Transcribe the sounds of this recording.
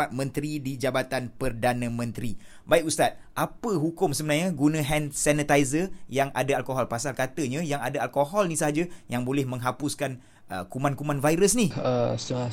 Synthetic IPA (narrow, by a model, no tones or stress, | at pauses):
at̪̚mə̃nt̪ɾidid͡ʒabat̪anpərdanãmə̃nt̪ɾi | baikust̪at̪̚ʔapəɦukʊmsəmənarɲaɡunə̃ɦɛnsɛnət̪aizəjaŋʔa̰daalkoɦɔlpasalkat̪əɲãjaŋadaalkoɦɔlnisəɦad͡ʒajaŋbolɛhmə̃ŋɦapʊskan | ʔə̰kumãnkumãnvajɾəsniəs